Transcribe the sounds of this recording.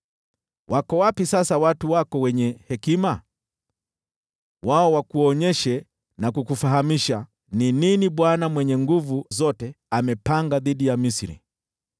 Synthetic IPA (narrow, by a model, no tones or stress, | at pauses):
wʔakɔwapisasawatuwakɔwɛɲɛhɛkima | waɔwakuɔɲɛʃɛ | nakukufaɦamiʃa | nininiɓwanamwɛɲɛŋɡuvuzɔtɛ | amɛpaŋɡaðiɗijamisiɾḭ